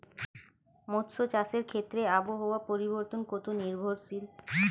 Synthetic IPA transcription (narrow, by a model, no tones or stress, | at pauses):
mot̪sot͡ɕaseɾkʰet̪ːɾeaboɦoapoɾiboɾt̪onkot̪oniɾbʱoɾsil